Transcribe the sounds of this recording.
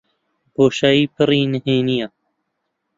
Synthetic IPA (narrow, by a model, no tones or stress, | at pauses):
boːʃaːiːpʰɨɾiːnəheːnija